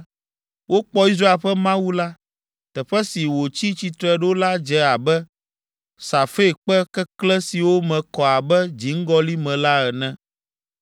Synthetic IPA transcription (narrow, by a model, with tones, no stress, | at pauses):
wʔo˦k͡pɔ˦i˦s̬ɾa˦e˦˨lɸɛ˦mã˦wu˦la˦ | t̪ɛ˨ɸɛ˦si˨wo˨t͡ɕi˦t͡ɕi˨t̪ɾɛ˨ɖo˦la˦d͡ʒɛ˦a˨bɛ˦ | sa˨fe˦˨k͡pɛ˦kɛ˦klɛ˦si˨wo˦mɛ̃˨kɔ˨a˨bɛ˦d͡ʑi˨˦ŋ̩˦ɡɔ˦li˦mɛ̃˨la˦ɛ˨nɛ̃˦